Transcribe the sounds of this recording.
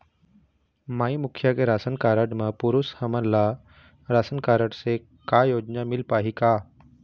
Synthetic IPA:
maːimʊkʰjakeɾaːsənkaːɾəɖmãpʊɾʊshəmənlaː | ɾaːsənkaːɾəɖse | kajoːd͡ʒnamɪlpaːɦikaː

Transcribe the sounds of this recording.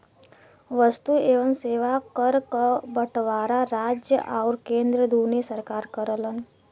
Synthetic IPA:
ʋəst̪ueːʋəmseːʋakəɾkəbəʈʰʋaːɾaɾaːd͡ʒjəʔaʊɾkẽːnd̪ɾəd̪uːnesəɾkaːɾkəɾələn

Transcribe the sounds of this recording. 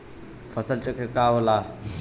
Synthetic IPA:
fʰɐsəlt͡ʃəkʰekaːʋolaː

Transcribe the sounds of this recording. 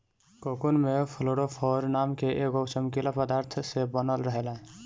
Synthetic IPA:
kokunmepʰəloɽopʰɔɾnamkeʔeɡosəmkilapəd̪aɾt̪ʰsebənəlɾəɦela

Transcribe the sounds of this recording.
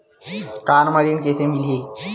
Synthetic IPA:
kanmaɾiːɳket̪ʰemile

